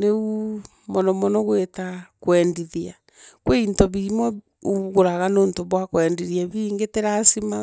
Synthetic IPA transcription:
neu | mɔnɔmɔnɔɣwetakwɛndiðia | kweintɔβiɾimɔ | uɣoɾaɣanoːntoβwakwɛndiɾiaβiŋɡeteɾasima

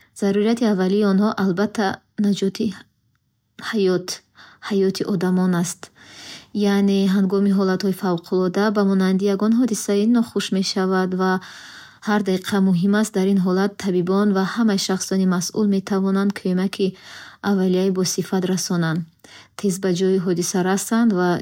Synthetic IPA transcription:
z̥aɾuɾat̪ʰiavːaliːɔnhɔʔalbat̪ʰːa | nad͡ʒɔt̪ʰi | hajɔt̪hajɔt̪ʰiʔɔd̪amɔnast̪ | janeɦaŋɡɔmiɦɔlat̪hɔifavqʰulɔd̪abamɔnand̪ijaɡɔnɦɔd̪isainɔχuʃme̞ʃavad̪va | haɾd̪aiqʰamuɦimast̪̚d̪aɾinɦɔlat̪ʰːabibɔnvahamajʃaχsɔnimasʔṵlme̞t̪ʰavɔnand̪kʰømakʰiʔavːalijaibɔsifat̪ɾasɔnand̪t̪ʰe̞zbad͡ʒɔiɦɔd̪isaɾast̪and̪va

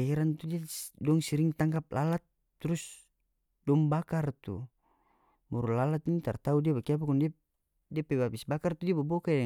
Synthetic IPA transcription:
aiɾant̪udiadɔŋsiɾiŋt̪aŋɡap̚lalat̪̚ː | uɾus | dɔmbakart̪ṵ | muɾulalat̪̚nit̪art̪audiabakiap̬akɔndia | diapɛbabisbakart̪udiabɔbɔkaja

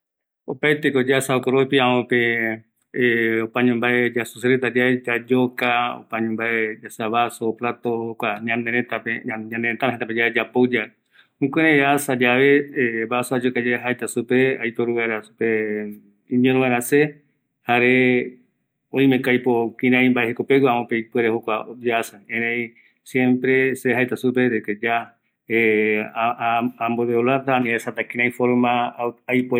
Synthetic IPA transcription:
opaet̪ekod͡ʒasaokoɾopiaope | opãɲõmbaed͡ʒasuseɾet̪ad͡ʒaed͡ʒad͡ʒokao̰paɲẽmbaed͡ʒasaβasoplat̪okʷaɲãnd̪eɾet̪apeɲãnd̪eɾet̪aɦẽnt̪aped͡ʒaed͡ʒapod͡ʒa | ũkʷeɾeasad͡ʒaβeβasoad͡ʒokad͡ʒaeɦaet̪asupeajpoɾuβaɾasupe | ĩɲẽnũβaɾase | haɾe | õj̃mekajpokĩɾ̃ãj̃mbaehekopewamõpejpeɾehokʷad͡ʒasaẽɾẽj | sjẽmpɾeseɦajt̪asupeɾeked͡ʒa | e | ambod̪eolaɾt̪anĩesat̪akĩɾ̃ãj̃foɾmaajpo

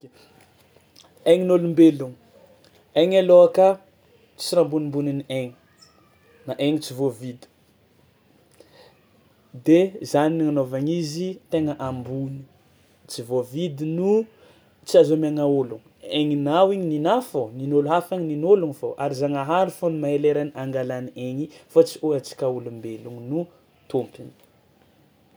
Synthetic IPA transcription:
ejɲinolumbeluŋ | aŋaloakə | t͡siɾambunimbuninieɲi | naʔeŋit͡sivovid̪i̥ | d̪ezaniniŋanovaɲizit̪eŋəʔambuni̥ | t͡sivovid̪inu | t͡siazomaŋaoluŋ | eŋinawiɲininafoninoluɦafaɲininoluŋifoʔaɾizaŋaɦaɾufonumaɦeleɾaniaŋɡalanieɲifat͡si̥oat͡si̥kaulumbeluŋinu | t̪umpini

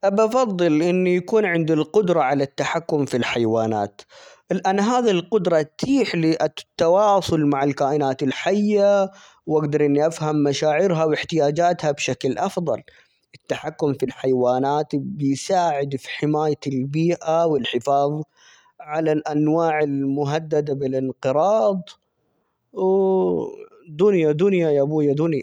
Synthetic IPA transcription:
ʔabɑfɑðˤːɨlʔɪnːijakuːnʕɪnd̪ilqʊd̪ɾˤɑʕalat̪ːaħakːʊmfilħajwaːna̰ːt̪ | lʔanːɦaːðilqʊd̪ɾˤɑt̪ʰiːħliʔat̪ːɑwɑːsˤʊlmaʕɪlkaːʔɪnaːt̪ɪlħajːa | wʔaɡd̪ɑɾˤʔɪnːiʔafhamːaʃaːʕɪɾɦawɪħt̪ɪjaːd͡ʒaːt̪habʃaklʔɑfðˤɑ̰l | ʔɪt̪ːaħakːʊmfilħajwaːnaːt̪bɪjsaːʕɪd̪fi̥ħɪmaːjaɪlbiːʔawɪlħɪfɑːðˤ | ʕalalʔanwaːʕɪlmʊɦad̪ːad̪abɪlɪnqɨɾˤɑːd̪ˤ | w | d̪ʊnjad̪ʊnjajabuːjad̪ʊnja̰

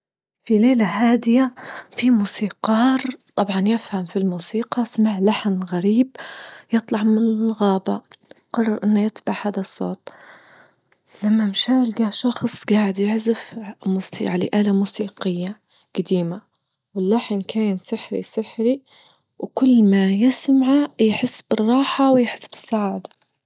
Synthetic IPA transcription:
fileːlaɦaːd̪ɪjafimuːsiːqɑːɾˤt̪ˤɑbʕɑnjɪfhamfilmuːsiːqɑsmaʕlaħnɣaɾiːbjɨt̪ˤlɑʕmɪnɣaːbaqɑrˤːɑɾʔɪnːajɪt̪baʕhaːd̪asˤːo̰ːt̪̚ˤ | lamːamʃaːlɡaʃɑxsˤɡaːʕɪd̪jɪħzɪfmuːsḭʕalḛʔaːlamuːsiːqɪjːa | ɡ̥ad̪iːma | wɪlːaħnkaːnsɪħɾḭsɪħɾi | wkʊlːmajɪsmʕajħɪsːbɪrˤːɑːħawɪjħɪsːbɪ̥sːaʕaːd̪a

